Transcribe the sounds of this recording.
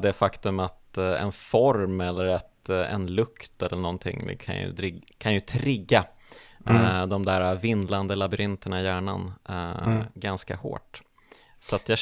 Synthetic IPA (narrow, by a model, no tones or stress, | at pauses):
d̪ɛfakt̪ɵmat̪ɛ̰nfɔɾmɛlːəɾɛt̪ɛ̰nlɵkt̪ɛlːəɳɔnt̪ʰɪ̰ŋ̰ːkʰa̰njɵ̰ɾɪkʰanjɵt̪ʰɾɪɡːa | d̪ɔmd̪æːɾavɪnd̪land̪əlabʏɾɪnt̪əɳaɪjæːɳa̰n | ɡanska̰ho̰ːʈ | satt̪jɑː